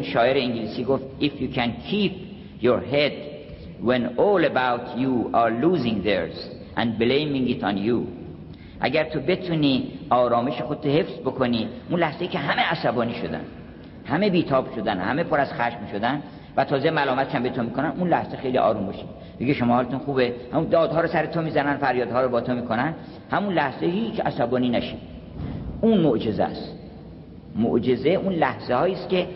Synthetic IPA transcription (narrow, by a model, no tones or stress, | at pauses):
unʃɒːeɾeĩŋɡiliːsiːɡoft̪ifjuːkʰænkʰiːp̚ | joɾɦed̪ | wẽnolebawt̪ʰjuɑɾluːzĩŋd̪eɹz̥ | ʔæ̰̃nblejmĩŋɡit̪ɔ̃nju | ʔæ̰ɡæɾt̪ʰobe̞t̪ʰuniːɒːɾɒːme̞ʃexod̪et̪ʰohe̞fz̥bo̞kʰo̞niːunlæhze̞jicʰeɦæmeæsæbɒːniːʃo̞d̪æ̰n | hæme̞biːt̪ʰɒːbʃo̞d̪ænhæ̰me̞pʰoɾæz̥xæʃmmiʃod̪æn | væt̪ʰɒːzemælɒːmæt̪ʰe̥ʃæmbet̪ʰomiːkʰonænʔunlæhz̥exe̞jliːʔɒ̰ːɾumbɒʃid̪ | meɡeʃomɒːhɒːlet̪unxuːbehæmud̪ɒːd̪ɦɒːɾɔsæɾet̪ʰomiːzænænfæɾjɒːd̪ɒːɾɔbɒːt̪ʰomiːkʰonæn | hæmunlæhzehiːt͡ʃʰæ̰sæbɒːniːnæʃi | unmoʔd͡ʒe̞zæ̰st̪ | mo̰ʔd͡ʒe̞ze̞unlæhz̥ehɒːiːst̪kʲʰe̞